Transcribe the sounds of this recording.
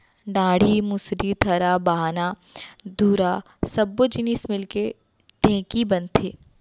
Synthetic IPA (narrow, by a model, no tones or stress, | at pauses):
ɖaːɽ̤imʊsɾit̪ʰɐɾabaːɦana | d̪ʱuːɾa | sɐbːod͡ʒɪnismɪlke | ɖʱɛ̃ːkibɐnt̪ʰeː